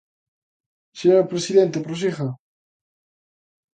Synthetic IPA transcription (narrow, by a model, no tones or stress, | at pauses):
seɲoɾpɾesiðent̪epɾos̬ixa